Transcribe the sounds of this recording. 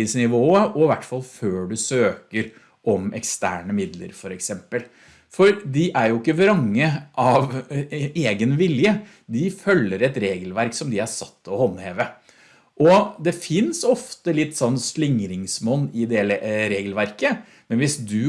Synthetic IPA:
ɪsnɪʋoːəʔɔɪʋæʈːfɑlføːɖʉsøːkəɾ | ʔɔmɛ̰kst̪æ̰ːɳəmɪd̪lə̰ɾfɔɾɛksɛmpəl | fɔɾd̪ɪʔæɾjʊɪkːəʋɾɑŋːəʔɑʋ | eːɡənʋɪljə | d̪ɪfœlːəɾɛt̪ɾeːɡəlʋæɾksɔmd̪ɪæsɑt̪ːɔhɔnːheːʋə | ʔɔd̪ɛfɪnsɔft̪əlɪt̪ːsɔnːslɪŋɾɪŋsmɔnːɪd̪ɛːləɾeːɡəlʋæɾkə | mɛnʋɪsd̪ʉ

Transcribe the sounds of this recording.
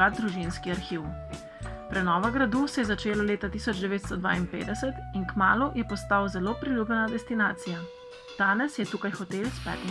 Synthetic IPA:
ad̪ɾuʒinskiaɾxiw | pɾɛnɔːʋaɡɾad̪usɛjɛzat͡ʃeːlaleːt̪at̪iːsɔd͡ʒd̪ɛʋeːt̪st̪ɔd̪ʋa̰ːinpḛːd̪ɛsɛt̪inkmaːlujɛpɔst̪awzɛloːpɾiljuːbjɛnad̪ɛst̪inaːt̪sija | d̪̥aːnɛsjɛt̪uːkajxɔt̪elspɛ̰ːt̪

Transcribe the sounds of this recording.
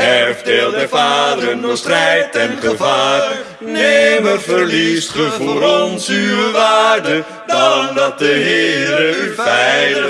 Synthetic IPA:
ɛfətelˠtdəvaːdəɾənɔstrɛjtɛnχəvaːr | neməvəɹlisχəvʊʊːɾɔnsywəʋaːrdə | dɑndɑt̚dəɦɪːɾəyvɛjlə

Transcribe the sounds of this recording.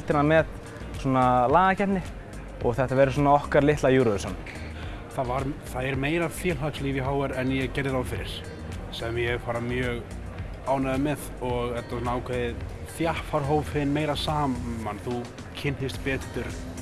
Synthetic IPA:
lt̪ɪɾnamɛt̪ | sɔːnalaːɣacɛt̪nɪ | ɔ̰ɣθɛht̪avɛɾɪs̬uːnaɔhkaɾlɪht̪lajuːɾɔðʏsɔnː | θavaɾθaðɛɾmeːjɾafjɛːlɦakslivjiɦaːwɛɾɛnjɛɣcɛɾðɪɾawθɪɾɪɾ̥ | sɛmjɛfaːɾamjœːɣ | aːwnaðɪmɛðɔɣɛt̪asɔnaaːwkʰveðɪð | θjahfaɾ̥ɦoːwvhɪnmeːjɾasaːmanθu | cʰɪnhɪst̪pɛːt̪t̪ʏɾθ

